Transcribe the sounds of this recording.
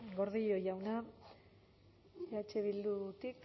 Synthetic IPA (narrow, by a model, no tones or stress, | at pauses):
ɡo̞ɾðijo̞jawna | eat͡ʃeβild̪ut̪ik